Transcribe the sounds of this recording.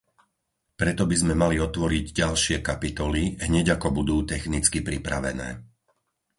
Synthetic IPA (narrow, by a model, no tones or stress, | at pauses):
pɾɛt̪ɔbizmɛmaliɔt̪ʋɔɾiɟɟalʃɪɛkapit̪ɔliɦɲɛɟakɔbud̪uːt̪ɛxnit͡skipɾipɾa̰ʋɛ̰nɛ̰ː